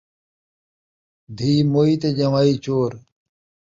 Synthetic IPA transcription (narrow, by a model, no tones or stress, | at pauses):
d̪ʱiːmoːit̪ed͡ʑɐmaːit͡ɕoːɾ